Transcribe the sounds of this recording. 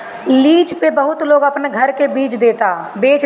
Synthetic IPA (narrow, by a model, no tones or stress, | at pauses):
liːt͡ʃpebəɦʊt̪loːɡəpneɡʱəɾkebiːt͡ʃd̪eːt̪aːbeːt͡ʃ